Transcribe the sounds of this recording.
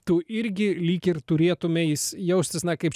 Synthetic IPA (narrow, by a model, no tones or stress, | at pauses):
t̪uʔɪɾʲɡʲɪlʲiːkʲɪrt̪ʊɾʲeːt̪ʊmʲɛjɪsjɛʊsʲt̪ʲɪsnɐkɐɪp